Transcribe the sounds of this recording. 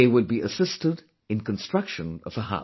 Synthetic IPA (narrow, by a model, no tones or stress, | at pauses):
eɪwəd̚biʔɨsɪstɨɾ | ɨ̃nkn̩stɹ̥ʌkʃɨ̃nʌ̰v̥əɦa̰